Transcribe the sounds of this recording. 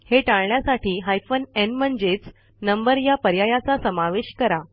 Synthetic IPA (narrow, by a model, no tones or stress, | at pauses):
heʈaɭɳjasaʈiːɦajfənenm̤əɳd͡zet͡s | nəmbəɾjapəɾjajat͡sasəmaʋeɕkəɾa